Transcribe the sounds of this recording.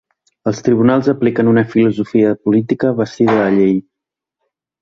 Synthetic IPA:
əlˠst̪ɾiβ̞unalˠzəplikənunəfiluzufiəpulit̪ikəβ̞əst̪iðəðəʎej

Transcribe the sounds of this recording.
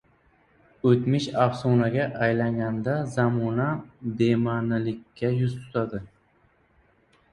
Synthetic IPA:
ɵt̪mɪʃafsonaɡʲaʔajlaŋɡʲand̪azamɔnab̪emanɪlɪkʲːajʊzt̪ʰʊ̥t̪ʰad̪ɪ

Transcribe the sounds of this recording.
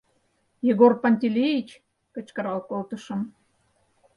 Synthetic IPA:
jeɣorpɑnʲt̪ʲilʲejit͡ɕ | kə̆t͡ɕkə̆ɾɑlkolt̪ə̆ʃə̆m

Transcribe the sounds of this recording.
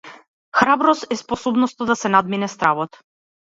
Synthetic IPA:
xɾabɾɔsɛspɔsɔbnɔst̪ɔd̪asɛnad̪minɛst̪ɾavɔt̪

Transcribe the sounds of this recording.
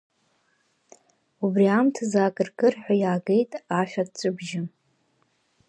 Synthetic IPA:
ubriamtʰzaːkʼɨrkʼɨrħʷᶣajaːɡe̞jtʼaʃᶣadt͡sʷʼɨbʒɪ

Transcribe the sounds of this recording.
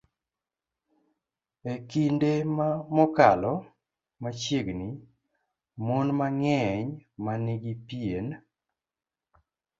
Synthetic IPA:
ekindemamɔkalɔ | mat͡ʃjeɡni | monmaŋɛɲmanɪɡipien

